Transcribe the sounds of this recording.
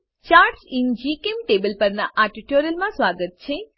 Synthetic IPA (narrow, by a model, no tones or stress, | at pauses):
t͡ɕaːɾʈsind͡ʑikʲemʈeːbɐlpɐɾnːɐʔaːʈiʈːoːɾijɐlmãːswʋaːɡɐɾit͡ɕːe